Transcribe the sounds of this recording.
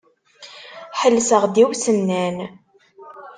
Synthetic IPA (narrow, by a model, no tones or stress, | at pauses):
ħəlːsəʁd̪iwsənːæn